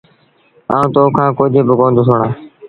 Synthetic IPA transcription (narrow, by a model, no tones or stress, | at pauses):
a̰ːũːt̪oːkʰãːkoːd͡ʒʱeːbəkõːnd̪ʱoːsʰoːɳaː